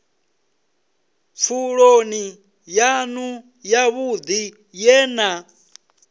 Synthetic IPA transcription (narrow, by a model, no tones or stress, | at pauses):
p̪fʰuɺoni | janu | jaβud̪i | jɛːna